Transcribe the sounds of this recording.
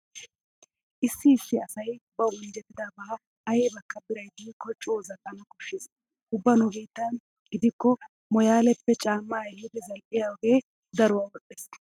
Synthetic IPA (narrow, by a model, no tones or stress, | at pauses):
ʔɪsːɪːsːɪɐsɐjbɐwʊnd͡ʒɛt̪ːɪd̪aːbɐhɐ | ɐjeːbɐkːɐbɪɾɐjd̪iːkːɔt͡ʃʼoːzɐkʼːɐnɐkʊʃːɪs | hʊbːɐnʊbiːt̪ːɐn | ɡɪd̪ɪkːɔ | mɔjaːlɛpːɛt͡ʃʼaːmːaːjlʊd̪ɪzɐlʔɪjawɔɡeː | d̪ɐɾʊwaːwɔɗʼɛs